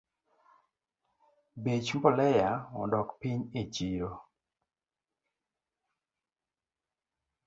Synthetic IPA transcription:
bet͡ʃmbɔlɛjaɔ̰ndɔkpiɲet͡ʃiɾo

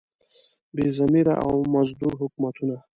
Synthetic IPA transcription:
bezamiɾa̰ʔa̰wmazd̪uɾɦʊkmat̪una

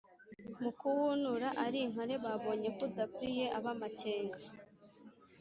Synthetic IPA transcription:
mukuwunuɾaʔaɾiŋ̥aɾe̞βaβo̞ːɲe̞kudakwije̞ʔaβamace̞ːŋɡa

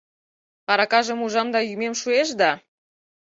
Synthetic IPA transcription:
ɑɾɑkɑʒə̆muʒɑmd̪ɑjymemʃueʃ̬d̪ɑ

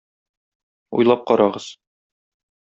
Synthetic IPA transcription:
ṵjlˠɑp̚qɒɾɑʁɤz̥

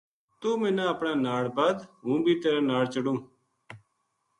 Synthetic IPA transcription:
t̪uːmɪ̃nãːəpɳaːnaːɽbəd̪ɦũːbʱiːt̪eːɾẽːnaːɽt͡ʃəɽũː

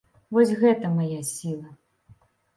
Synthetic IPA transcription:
vɔsʲɣɛt̪ɐmajasʲilˠɐ

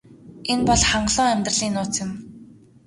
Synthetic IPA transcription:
enpɔɮχaɴɢɮʊːæmʲt̪rə̆ɮiːnʊːt͡sjʊ̆m

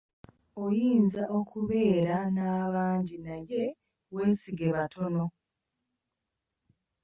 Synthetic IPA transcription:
ojiːnzaʔo̞kʰuβe̞ːɾanaːβaːɲɟinaje̞ | we̞ːsiɡe̞βatʰo̞no̞

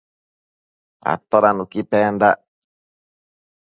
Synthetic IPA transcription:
a̰t̪ɔɾanukipɛnd̪a

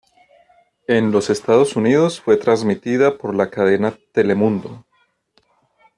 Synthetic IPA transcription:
e̞nlo̞se̞st̪aðo̞suniðo̞sfwe̞t̪ɾazmit̪iðapo̞ɾlakaðe̞nat̪e̞le̞mũnd̪o

